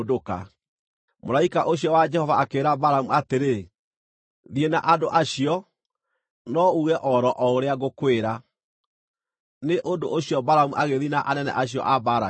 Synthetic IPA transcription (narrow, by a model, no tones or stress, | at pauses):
doka̰ | moɾaikaʔoɕiɔwad͡ʒɛhɔvaakeːɾabaɾamuateɾe | ðienaʔadoʔaɕiɔ | nɔuɣɛʔɔɾɔʔɔoɾeaɣokweɾa | neʔondoʔoɕijɔbaɾamuʔaɣeðinaʔanɛnɛ̰ʔaɕijɔ̰ʔabaɾa